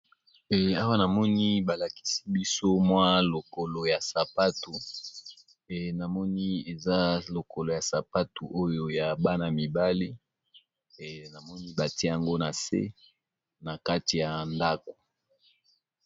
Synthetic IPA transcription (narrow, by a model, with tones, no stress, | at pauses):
a˦wa˦na˨mɔ˦ni˦ba˨la˨ki̥˦si˦bi˦so˦mwa˦lo˨ko˨lo˨ja˨sa˨pa˦tu˨ | na˨mɔ˦ni˦e˨za˦lo˨ko˨lo˨ja˨sa˨pa˦tu˨ʔo˦jo˦ja˨ba˦na˨mi˨ba˦li˦˨ | na˨mɔ˦ni˦ba˨ti˦ja˨ŋɡo˦na˨sḛ˦ | na˨ka˦ti˨ja˨nda˦ko̥˨